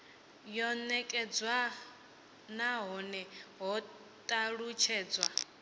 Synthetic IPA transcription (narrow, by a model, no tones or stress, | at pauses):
jɔnɛkʼɛd͡zwa | naɦɔnɛɦɔ | t̪ʼaɺut͡ʃʰɛːd͡zwa